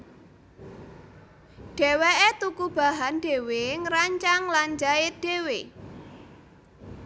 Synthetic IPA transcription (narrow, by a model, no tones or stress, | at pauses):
ɖ̥e̤weʔet̪ukub̥a̤ɦanɖ̥e̤weŋəɾaɲt͡ʃaŋland͡ʒaɪt̪̚d̥e̤we